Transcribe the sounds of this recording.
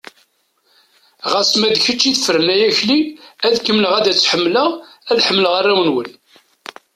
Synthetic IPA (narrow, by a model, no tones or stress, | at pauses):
ʁæsmæd̪çət͡ʃːiðfəɾənæjæçliæðkəmləʁæd̪æt͡sːħəmːləʁæðħəmːləʁarːæwənwən